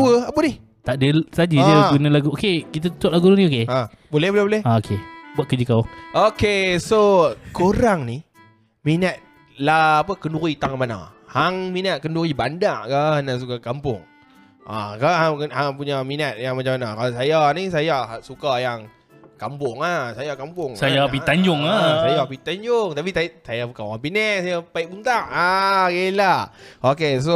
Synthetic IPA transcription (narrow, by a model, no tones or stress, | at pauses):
wəapənih | t̪aʔdəsad͡ʒid͡ʒəɡunalaɡuokekit̪̬ət̪ut̪ʊʔlaɡunnĩokea | bolɛhbolɛhbolɛhaokebat̪̚kəd͡ʒəkawʔokesokoɾaŋni | minət̪̚ | laapəkənuɾit̪aŋmana̰haŋminat̪̚kənduɾibandaʔkanaʔs̬ukakampʊ̰ŋ | ʔakaaŋhaŋpuɲaminat̪̚jaŋmat͡ʃamanakalasajanisajasukajaŋ | kampʊŋasajakampʊŋsajapit̪aɲd͡ʒʊŋasajapit̪aɲd͡ʒʊŋt̪ap̬iasajapukanaŋpinɛksajapaiʔbunt̪aʔakelaʔokes̬o